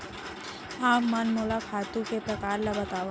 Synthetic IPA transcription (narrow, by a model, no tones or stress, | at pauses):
aːmɐnmoːlakʰaːt̪ũkepɾɐkaːɾlabɐt̪aːʋa